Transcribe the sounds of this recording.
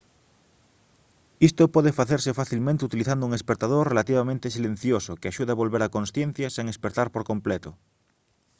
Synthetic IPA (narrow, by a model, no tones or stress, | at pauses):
ist̪opɔðefaθeɾsefaθilmẽnt̪ɪut̪iliθand̪ʊuŋespet̪aðorrelat̪iβamẽnt̪esilẽn̟θjosokeaʃuðaβolβeɾakõnsθjẽn̟θjaseŋespeɾt̪aɾpoɾkomplet̪ʊ